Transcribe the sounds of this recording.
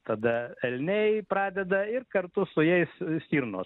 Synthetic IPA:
t̪ɐd̪ɐɛlʲnʲɛjpɾɑːd̪ʲɛd̪ɐɪrkɐɾt̪ʊsʊjɛɪssʲt̪ʲiːɾno̰ː

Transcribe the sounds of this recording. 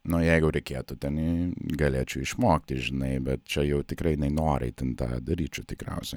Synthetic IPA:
nʊjɛɪɡʊɾʲɛɪkʲeːt̪ʊt̪ʲɛnɪɡɐlʲeːt͡ʃʲʊɪʃmoːkt̪ʲɪʒʲɪnɐɪbʲɛt̪̚t͡ʃʲɛjɛʊt̪ʲɪkrɐɪjɪnɐɪnoːɾɛ̰ɪt̪ʲɪnt̪ɑ̰ːd̪ɐɾʲiːt͡ʃʲʊt̪ʲɪkɾʲɛ̰ʊsʲɛɪ

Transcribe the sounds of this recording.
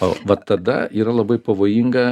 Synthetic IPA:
oʋɐt̪ɐd̪ɐ̰iːɾɐlˠɐbɐɪpɐʋoːjiŋɡɐ

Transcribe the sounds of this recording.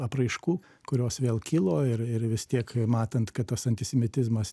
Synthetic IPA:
ɐpɾɐɪʃkuː | kʊɾʲoːsʋʲeːlˠkʲɪlˠoːɪrɪrʋʲɪst̪ʲiɛkmɑːt̪ɐnt̪kɐt̪t̪ɐsɐnʲt̪ʲɪsʲɛmʲɪt̪ʲɪzmɐs

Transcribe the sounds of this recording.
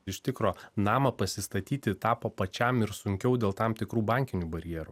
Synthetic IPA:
ɪʃʲt̪ʲɪkɾoːnɑːmɐpɐsʲɪst̪ɐt̪ʲiːt̪ʲɪt̪ɑːpoːpɐt͡ʃʲæmɪɾsʊŋʲkʲɛʊd̪ʲeːlˠt̪ɑmt̪ʲɪkɾuːbɑˑŋʲkʲɪnʲuːbɐɾʲɪjɛːɾu

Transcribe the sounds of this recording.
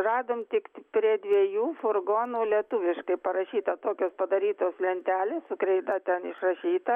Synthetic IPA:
rɑːd̪oːmt̪ʲɪkpʲɾʲiɛd̪ʲʋʲiɛjuːfʊrɡoːnuːlʲiɛt̪ʊʋʲɪʃkɐɪpɐɾɐʃʲiːt̪ɐt̪oːkʲoːspɐd̪ɐɾʲiːt̪oːslʲɛnʲt̪ʲæːlʲeːssʊkɾʲɛɪd̪ɐt̪ʲɛnɪʃrɐʃʲiːt̪ɐ

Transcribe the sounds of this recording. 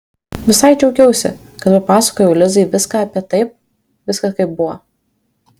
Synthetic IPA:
ʋʲɪsɐɪt͡ʃʲɛʊkʲɛʊsʲɪ̰ | kɐt̪pɐpɑːsɐ̥koːjɛʊlʲɪzɐɪʋʲɪskɑɐpʲiɛt̪ɐɪp̚ | ʋʲɪskɐkɐɪp̚bʊʋɔ

